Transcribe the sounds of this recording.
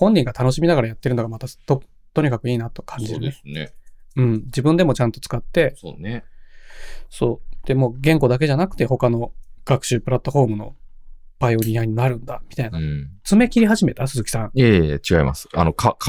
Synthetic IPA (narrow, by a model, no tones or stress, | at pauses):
hõ̞ɲ̟ːĩŋɡat̪ano̞ɕimʲinaɡaɾajat̪ːe̞ɾɯno̞ɡamat̪at̪o | t̪o̞ɲ̟ikakɯ̟iːnat̪o̞̥kʰãɲd͡ʑieeneɯ̟̃ɴd͡ʑibɯ̃nd̪e̞mo̞t͡ɕãnt̪o̥t͡sɨ̥kat̪ːe̞sone | so̞ːd̪̥e̞moːɡẽ̞ŋko̞d̪ak̬e̞ʑanakɯ̟t̪e̞ho̞kano̞ɡ̥akɯ̟̥ɕɨːpɯ̟ɾat̪ːo̞ɸo̞ːmɯ̟no̞̰b̥aijo̞ɲ̟iaiɲ̟inaɾɯ̟̃nd̪amʲi̥t̪ainat͡sɨme̞kʲiɾʲiɦaʑime̞t̪asɨzɨkʲi̥sãɴet͡ɕiɡaḭma̰sɨ̥a̰nokʰkʰ